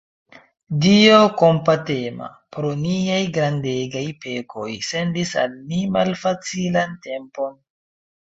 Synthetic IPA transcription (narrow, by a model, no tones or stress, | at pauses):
dioko̞mpate̞ma̰ | pɾo̞niajɡɾande̞ɡajpe̞kʰo̞jse̞ndisa̰lnimalfat͡silante̞mpo̞n